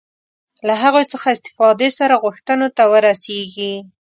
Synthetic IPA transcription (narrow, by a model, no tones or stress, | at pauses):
laɦaɣojt͡səxaɪst̪ɪ̥fɑd̪esaɾaɣʊxt̪ənot̪awəɾaseɡi